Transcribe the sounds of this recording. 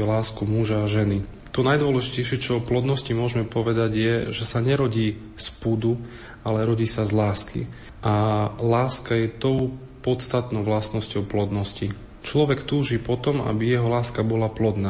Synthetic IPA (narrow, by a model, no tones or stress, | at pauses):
ɛlaːskumuʒaːʒɛni | t̪ɔnajd̪ʊɔlɛʒicɛjʃɪɛt͡ʃɔɔplɔd̪nɔscimʊɔʒmɛpɔʋɛd̪aɟjɛʒɛsaɲɛɾɔɟiː | spud̪u | alɛɾɔɟiːsazlaːskḭ | ʔalaːskajɛt̪ɔʊ | pɔt̪st̪at̪nɔʊʋlasnɔscɔʊplɔd̪nɔsci | t͡ʃlɔʋɛkt̪uːʒipɔt̪ɔma̰bijɛɦɔlaːskabɔlaplɔd̪naː